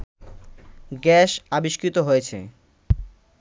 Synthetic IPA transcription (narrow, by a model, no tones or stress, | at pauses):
ɡɛʃabiʃkɾit̪oɦojet͡ɕʰḛ